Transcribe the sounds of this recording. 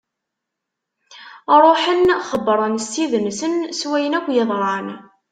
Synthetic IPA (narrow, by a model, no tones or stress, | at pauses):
ɾˤoħənχəbːɾˤənst̪iðənsənswæjənækʷːjɪðˤɾˤɑn